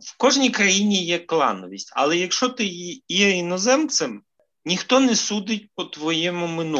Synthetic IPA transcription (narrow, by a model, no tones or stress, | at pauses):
wkɔʒnʲijkɾɐjinʲijɛklˠɑ̰nɔʋʲisʲtʲɐ̰lˠɛjɐkʃt͡ʃɔt̪ɪjɛinɔzɛmt̪sɪm | nʲixt̪ɔnɛsud̪ɪtʲpɔt̪ʋɔjɛmʊmɪnu